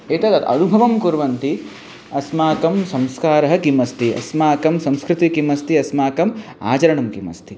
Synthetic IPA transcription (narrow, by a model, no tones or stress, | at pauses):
eːt̪ɐt̪ɐt̪ɐ̰nubʱɐʋɐmkuɾʋɐnt̪i | ɐsmaːkɐmsɐ̃mskaːɾɐɦɐ̆kimɐst̪ʰiɐ̰smaːkɐmsɐ̃mskɾɪt̪ikimɐst̪iɐsmaːkɐm | a̰ːt͡ʃɐɾɐɳɐmkimɐ̰st̪ʰi